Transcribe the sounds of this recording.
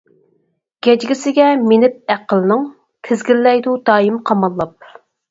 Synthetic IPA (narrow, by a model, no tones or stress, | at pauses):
ɡ̥ʲɛd͡ʒɡʲɪsɪɡʲɛmenɪp̚æqəlˠɨnɨŋ | t̪ʰɪzɡʲilːɛjd̪ud̪ɑːjimqʰɑmɑlˠːɑp̚